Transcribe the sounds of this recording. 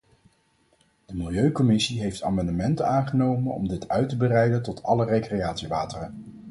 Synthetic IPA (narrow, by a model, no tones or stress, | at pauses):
d̥əmɪlˠjøɥkɔmɪsiɦejfta̰ːmɑndəmɛntənaːnχənowmənɔ̰mdɪtʰœɥtəbərɛjdəntɔtɑlərejkrejaːtsiʋaːtərən